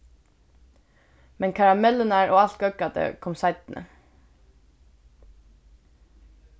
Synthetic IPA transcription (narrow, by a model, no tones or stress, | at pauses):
mɛnkʰɑɹɑmɛlənæːɹʔoːɑlt̪ɡœkɑd̪ə̰kʰɔmsɑɪt̪n̩ʔə̰